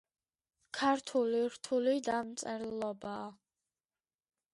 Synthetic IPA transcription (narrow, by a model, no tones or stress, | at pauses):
kʰaɾt̪ʰuliɾt̪ʰulid̪amt̪sʼɛɾilˠɔbaː